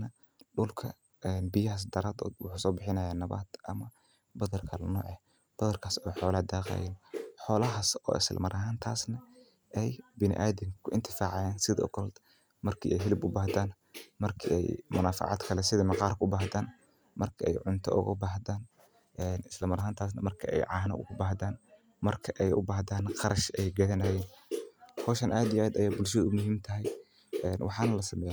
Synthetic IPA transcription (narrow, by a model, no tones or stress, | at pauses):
nɐ | ɗʊlkʰɐ̰ | ɛnbɪjɐɦɐs̬d̪ɐɾaːd̪ɔ̰ːd̪wʊ̰ħuːsɔːbɪħɪnɐjaːnɐβa̰ːd̪ʔɐmɐ | bɐðɐrkʰɐlɐnɔːʕɛ | b̥ɐðɐrkʰaːsɔːħɔːlɐhd̪aːqa̰ːjɛnħɔːlɐɦasɔ̰ːɪ̰sl̰mɐɾʔɐɦaːnt̪ʰaːsnɐ | ʔɛjbɪnɪ̰ʔaːðɪŋkʰʊɪnt̪ʰɪfaːʕɑjaːnsɪðɐɔ̰kʰɔld̪ | mɐrkʰḭːʔɛjɦɪlɪbʊbaːɦd̪aːn | mɐrkʰḭːʔɛ̰jmʊnaːfɑ̰ʕɑ̰d̪kʰɐlɛsɪðɐmɑqɑːrkʰʊbaːhd̪aːn | mɐrkʰɐɛ̰jʕʊnt̪ʰɐ̰ʔʊ̰ɣɐ̰baːhðaːn | ʔɛːnɪslɐmɐɾɐɦaːnt̪ʰaːs̬nɐ̰mɐrkʰɐɛ̰jʕɑːnɐ̰ʔʊ̰ɣɐbaːhðaːn | mɐrkʰɐʔɛjʔʊ̰baːhðaːnqɑɾɐʃɛjɡɐðɐnɐjɛːn | hɔːʃɐnʔaːd̪ɪjʔaːd̪ɐjaːbʊlʃɐðʊmʊɦiːmt̪ʰɐɦɛj | ʔɛːnwʔɑ̰ħɑːnɐlɐsɐmɛja